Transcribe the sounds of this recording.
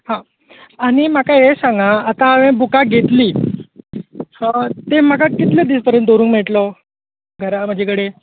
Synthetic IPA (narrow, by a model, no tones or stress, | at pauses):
hã | añim̤akaɦesãŋɡaːt̪aʋẽbukaɡʱet̪liː | t̪em̤əɡakit̪ləd̪iːspəɾjənt̪d̪ʱoɾũːŋkmɛɭʈlɔ | ɡʱəɾam̤əd͡ʑʱekəɽe